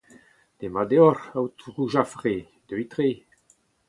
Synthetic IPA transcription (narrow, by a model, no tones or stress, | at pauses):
d̪̥emad̪eɔɾawt̪ʁuʒafʁe | d̪øjt̪ʁe